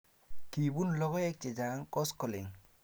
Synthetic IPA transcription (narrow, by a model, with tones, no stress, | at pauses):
ki˨bu˦nlɔ˦ɣɔ˦ɛ˦k̚t͡ʃɪ˨d͡ʒa˨˦ŋkɔ˦skɔ˨lɪ˨ŋ